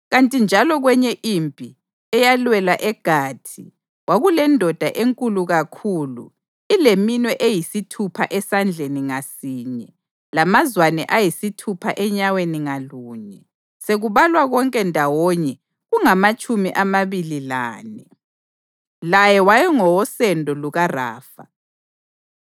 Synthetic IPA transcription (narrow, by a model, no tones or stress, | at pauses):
ɣantʼind͡ʒʱalɔɣwɛɲɛʔimpʼi | ɛjalwɛlaʔɛɡ̥ʱaːtʰi | waɣulɛndʱɔd̥ʱaʔeŋkʼuluɣakʰuːlṵ | ileminwɛʔejisitʰupʰa̰ʔɛsand͡ɮʱeniŋasiːɲɛ | lamazwanɛʔajisitʰupʰa̰ʔɛɲaweniŋaluːɲɛ | seɣuβalwaɣɔŋkʼɛndʱawɔɲɛ | ɣuŋamat͡ʃʼumiʔamaβililaːnɛ | lajɛwajɛŋɔwɔsɛndʱɔluɣara̰ːfa